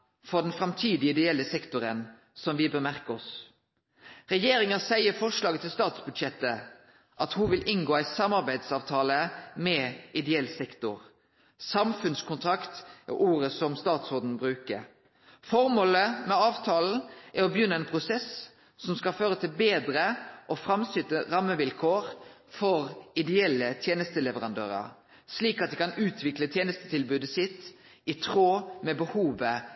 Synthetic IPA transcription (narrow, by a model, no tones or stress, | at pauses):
fɔd̪ɛnfɾʁɑmt̪ʰiːd̪ɪəɪd̪ɛɛlːəsɛkt̪ʊɾən | sɔmʋɪbəmæʁkəɔs | ʁɛjeːɾɪŋɑsæɪəfɔʂlɑːɡət̪ʰɪlst̪ɑːt̪sbʉd̪ʃɛt̪ːə | ʔɑt̪huʋɪlʔɪnɡoːæɪsɑmɑʁbæɪd̪sɑːʋt̪ʰɑːləmɛʔɪd̪ɛɛlsɛkt̪ʊʁ | sɑmfʉnskʰʊnt̪ʰʁɑkt̪o̰ʔuːɾəsɔmst̪ɑːt̪sɔːd̪n̩bʁʉːkə | fɔʁmoːləmɛɑːʋt̪ʰɑːln̩ʔæɾɔbəjʏnːəɛnpʰʁʊsɛs | sɔmskɑlføːʁət̪ʰɪlbeːd̪ɾəʔɔfʁɑmsʏt̪əʁɑmːəʋɪlkʰoːʁfɔʁɪd̪ɛɛlːət̪ʰjeːnəst̪əlɛʋəʁɑnd̪ø̰ːʁə̰ | sliːkɑt̪d̪ɛkɑnʉːt̪ʰʋɪklət̪ʰjeːnəst̪ət̪ʰɪlbʉːd̪əsɪt̪ | ɪt̪ʰʁoːmɛbəhuːʋə